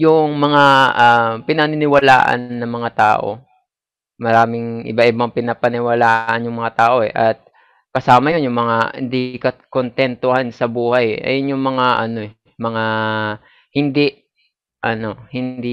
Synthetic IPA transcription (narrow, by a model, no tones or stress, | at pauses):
jʊŋmɐŋaʔapɪnɐnɪnɪwɐla̰ːʔɐ̰nːɐŋmɐŋat̪a̰ːʔo̞̰ | mɐɾaːmɪŋʔɪ̰baʔɪbaŋpɪnapɐnɪwɐlaːʔɐnjʊŋmɐŋat̪aːʔo̞ɛʔɐt̪̚ | kɐsaːmɐjonjʊŋmɐŋahɪ̰nd̪ikɐkont̪ɛnt̪ohansɐbuːhɐjʔɐ̰jʊnjʊŋmɐŋaʔɐno̞ɛ | mɐŋa | hɪnd̪iʔ | ʔɐno̞hɪnd̪i